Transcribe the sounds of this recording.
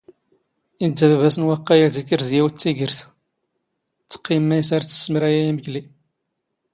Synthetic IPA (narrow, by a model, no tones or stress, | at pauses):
indːævævæsənwæqːæjæzikːəɾzjæwt͡sːiʝəɾθ | t͡sːə̥qːimːæjsaɾt͡sːə̥sːməɾæjæjæməçli